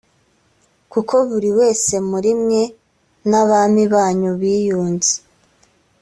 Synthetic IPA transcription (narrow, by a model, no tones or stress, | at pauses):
kukʰo̞βuɾiwe̞ːse̞muɾimɲe̞ | naβaːmiβaːɲuβiːjuːnzi̥